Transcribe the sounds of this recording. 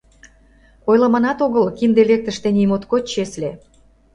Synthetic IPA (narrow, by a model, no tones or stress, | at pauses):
ojlɑmɑnɑt̪oɣəlkind̪elek̚t̪əʃt̪enʲijmot̪kot͡ɕesle